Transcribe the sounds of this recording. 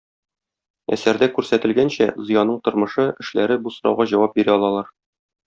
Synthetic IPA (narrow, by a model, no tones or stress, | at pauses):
æ̰sæɾd̪ækʉɾsæt̪ɘ̆lɡænɕæzɤ̆jɑnːɤɴt̪ŏɾmɤ̆ʃɤʔɘ̆ʃlæɾɘbusŏɾɑ̰wʁɑʑɒwɑp̚biɾæɒlˠɑlˠɑɾ